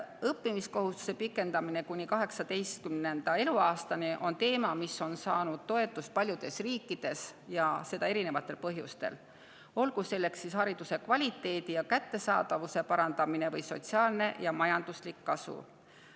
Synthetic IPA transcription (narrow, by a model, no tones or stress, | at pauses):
ɤpːimisko̞ɦust̪u̥se̞pikːˑe̞nd̪ɑmine̞kunʲːikɑɦe̞ksɑd̪e̞jst̪̚kymne̞nd̪̥ɑe̞luɑːst̪ɑniʔo̞nt̪e̞ːmɑmiso̞nsɑːnud̪̥̚t̪o̞e̞t̪ːˑus̚pɑlʲjud̪̥e̞sriːkːˑid̪̥e̞sjɑse̞d̪̥ɑe̞ɾine̞vɑt̪ˑːe̞lpɤɦjṵst̪e̞̰l | o̞lɡ̥use̞lːe̞ksːishɑɾid̪̥use̞kvɑlʲit̪ːˑe̞ːd̪ijɑkæt̪ːe̞sɑ̰ːd̪̥ɑvuse̞pɑɾɑnd̪ɑmine̞vɤjso̞̰t̪siɑːlne̞jɑmɑjɑnd̪̥uslikːɑsṵ